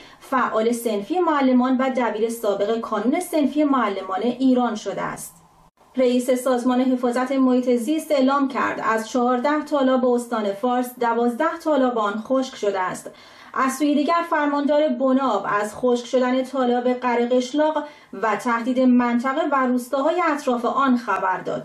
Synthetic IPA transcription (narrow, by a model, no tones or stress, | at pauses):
fæʔɒːle̞se̞nfiːje̞moælːe̞mɒːnvæd̪æbiːɾe̞sɒːbe̞ɣe̞kʰɒːnune̞se̞nfije̞moælːe̞mɒːne̞ʔiːɾɒːnʃo̞d̪ḛæ̰st̪̚ | reiːse̞sɒːzmɒːne̞ɦe̞fɒːzæt̪ʰe̞mohiːt̪ʰe̞zist̪e̞ʔlɒːmcʰæ̰ɾd̪æzt͡ʃʰɒɦɒːɾd̪æht̪ʰɒːlɒːbeost̪ɒːne̞fɒːɾsd̪ævɒːzd̪æht̪ʰɒːlɒːbeɒːnxoʃkʃo̞d̪eæst̪ | ʔæzsuːjed̪iːɟæɾfæɾmɒːnd̪ɒːɾe̞bo̞nɒːvæzxoːʃkʃo̞d̪æne̞t̪ʰɒːlɒːbe̞ɢæɾeɣe̞ʃlɒːɢ | væt̪ʰæhd̪iːd̪e̞mænt̪ʰæɣeværuːst̪ɒːɦɒːjeæt̪ʰɾɒːfe̞ʔɒːnxæbæɾd̪ɒ̰ːd̪̥